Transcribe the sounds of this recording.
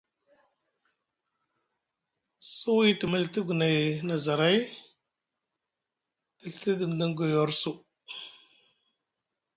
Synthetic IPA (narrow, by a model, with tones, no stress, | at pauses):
su˦wi˦ti˨mə˦lti˦ɡu˨na˨jna˨za˨ɾa˦j | d̥i˨lti˦di˨m˨di˦ŋ˦ɡo˨jo˨˦ɾsu˦